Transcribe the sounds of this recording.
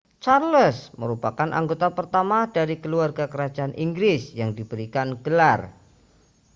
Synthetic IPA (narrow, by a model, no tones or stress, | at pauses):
t͡ʃarləsməɾupakanʔa̰ŋɡot̪apərt̪amadaɾikəluarɡakəɾad͡ʒaanʔiŋɡɾɪsjaŋdibəɾikanɡəlar